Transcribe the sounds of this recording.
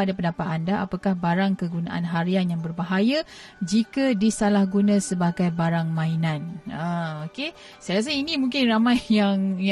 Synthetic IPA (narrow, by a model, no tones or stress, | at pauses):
adapəndapat̪andaʔapakahbaɾaŋkəɡunãʔa̰nɦaɾianjaŋbərbaɦajad͡ʒikadisalahɡunãsəbaɡajbaɾaŋmãinãnəoke | sajɾas̬ainĩmuŋkɪnramajːaŋj